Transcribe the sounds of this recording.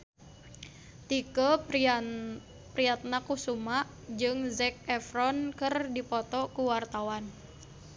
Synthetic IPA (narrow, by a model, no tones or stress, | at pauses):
t̪ikə | pɾiat̪̚nakusumaʔ | d͡ʒɨŋzɛk̚ɛfɾɔnkɨrdipɔt̪ɔkuwart̪awan